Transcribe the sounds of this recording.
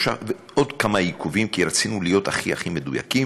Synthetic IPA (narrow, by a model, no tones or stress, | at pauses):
ʃave | ʔo̞dkamajikuvimkiɾat͡sinulijo̞taχia̰χimeduja̰ki